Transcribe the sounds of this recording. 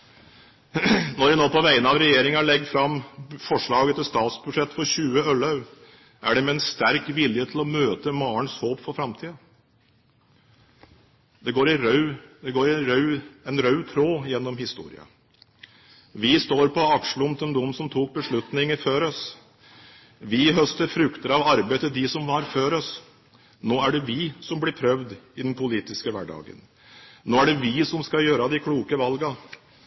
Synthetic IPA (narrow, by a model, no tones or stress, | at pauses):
nɔɾʋɪnoːpɔʋæɪənɑʋɾɛjeːɾɪŋɑɭɛɡ̚d̪fɾɑmːfɔʂɭɑːɡət̪ʰɪlst̪ɑːt̪sbʉʂɛt̪ːfɔɾɕʉːəœlɑʉ | ʔæ̰ɖɛmɛɛnst̪æɾkʋɪljət̪ʰɪlɔmøːt̪əmɑːəɳshoːpfɔɾfɾɑmt̪ʰiːɑ | d̪ɛɡoːɾɪɾœʉd̪ɛɡoːɾɪɾœʉɛnɾœʉt̪ʰɾoːjɛnːɔmɦɪst̪ṵːɾɪ̰ɑ̰ | ʋɪst̪oːɾpʰɔɑkʂəɭʊmt̪ʰɛnd̪ʊmːsɔmt̪ʰuːk̚bəʂɭʉt̪nɪŋəɾføːɾɔs | ʋɪɦœst̪əɾfɾʉkt̪əɾɑʋɑɾbeɪd̪əd̪ɪsɔmʋɑɾføːɾɔs | noːæɖɛʋɪsɔmblɪɾpʰɾœʋd̪ɪd̪ɛnpʰʊliːt̪ɪskəʋæ̰ɖɑ̰ːɡə̰n | noːæɖɛʋɪsɔmskɑjøːɾɑd̪ɪkʰɽuːkəʋɑlɡɑ